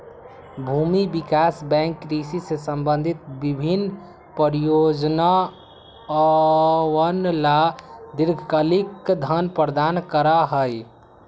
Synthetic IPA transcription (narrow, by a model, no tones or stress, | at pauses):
bʱumibikasbɛ̃ŋkɾisisesəmbənd̪ʱit̪̚bibʱin | pəɾijod͡ʒna | wənlad̪iɾɡʱkəlikd̪ʱənpəɾəd̪aːnkəɾaɦəj